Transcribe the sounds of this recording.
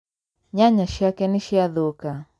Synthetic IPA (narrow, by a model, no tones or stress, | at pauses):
ɲaɲaʃjakɛniʃiaðoka